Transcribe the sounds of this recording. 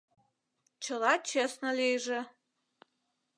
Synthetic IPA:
t͡ʃʰəlɑt͡ʃʰesnəlejʒe

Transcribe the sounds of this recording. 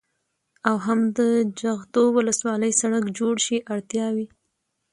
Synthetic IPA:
awɦamd̪əd͡ʒaɣd̪owʊləswɑləjsaɽakd͡ʒoɽʃiʔaɽt̪jɑwi

